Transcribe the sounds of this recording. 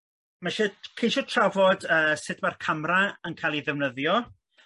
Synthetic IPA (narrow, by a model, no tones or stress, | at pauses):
maʃɛkʰejʃɔtʰravɔdəːsɪdʰmarkʰamraənkʰaːlˠiðɛvnəðjɔ